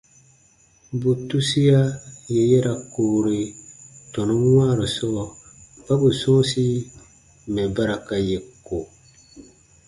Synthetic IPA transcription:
bu˨tu˦si˦ja˦je˨jɛ˦ɾa˨koː˨ɾi˨tɔ˨nõ˦wa˦˨ɾo˨sɔ˦˨ | ba˦bu˨sɔ̃ː˦si˦ | mɛ˨ba˦ɾa˨ka˨je˨ko˨

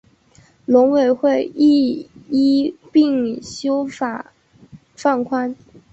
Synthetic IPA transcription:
lʊ˧˥ŋwe˨˩ɪxwe˥˧ɪi˥˧i˥pi˥˩ŋɕjo˥ʊfa˨˩˦ | fa˥˩nkʰwa˥n

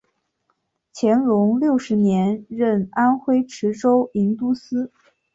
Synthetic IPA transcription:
t͡ɕʰjɛ˧˥nlʊ˧˥ŋljo˥˩ʊʂɻ̩˧˥njɛ˧˥nɻə˥˩na˥nxwe˥ɪʈ͡ʂʰɻ̩˧˥ʈ͡ʂo˥ʊi˧˥nt̪u˥sɹ̩˥

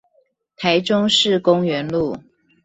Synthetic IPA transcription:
t̪ʰa˧˥ɪʈ͡ʂʊ˥ŋʂɻ̩˥˨kʊ˥ŋɥɛ˧˥nlu˥˩

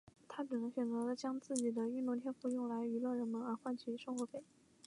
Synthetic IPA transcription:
t̪ʰa˥ʈ͡ʂ̩˨˩nɤ˧˥ŋɕɥɛ˨˩nt͡sɤ˧˥lə˧t͡ɕjɑ˥ŋt͡sɹ̩˥˩t͡ɕi˨˩d̪ə˦y˥˧nt̪ʊ˥˧ŋt̪ʰjɛ˥nfu˥˧jʊ˥˩ŋla˧˥ɪy˧˥lwɤ˥˩ɻə˧˥nmə˧˥nə˞˧˥xwa˥˧nt͡ɕʰy˥˩ʂɤ˥ŋxwɔ˧˥pe˨˩ɪ

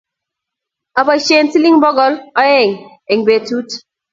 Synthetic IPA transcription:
a˨ba˨ʃe˦˨nti˦li˦ŋbɔ˦ɡɔ˨lɔ˦jɪ˦˨ŋ | e˨ŋbe˨tu˦t

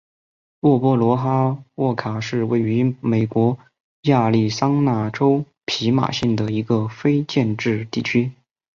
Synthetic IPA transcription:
wɔ˥˩pwɔ˥lwɔ˧˥xa˥wɔ˥˩kʰa˨˩ʂɻ̩˥˧we˥˩ɪy˧˥me˨˩ɪkwɔ˧˥ | ja˥˧li˥˩sɑ˥ŋna˥˩ʈ͡ʂo˥ʊ | pʰi˧˥ma̰˨˩ɕi˥˩ŋd̪ə˩i˧˥ɡə˧fe˥ɪt͡ɕjɛ˥˧nʈ͡ʂɻ̩˥˧t̪i˥˩t͡ɕʰy˥

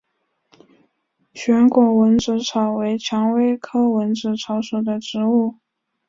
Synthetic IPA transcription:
ɕɥɛ˧˥nkwɔ˨˥wə˧˥nʈ͡ʂɻ̩˧˥ʈ͡ʂʰɑ˨˩ʊwe˧˥ɪt͡ɕʰjɑ˧˥ŋwe˥ɪkʰɤ˥wə˧˥nʈ͡ʂɻ̩˧˥ʈ͡ʂʰɑ˧˥ʊʂu˨˩d̪ə˦ʈ͡ʂɻ̩˧˥u˥˩

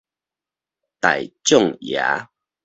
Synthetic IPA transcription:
t̪a˨jt͡ɕjɔ˥˨ŋja̰˨˦

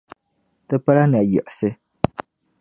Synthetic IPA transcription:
tɨ˦pa˦la˦n˨a˨jɛ̰˨ʔsɨ˦

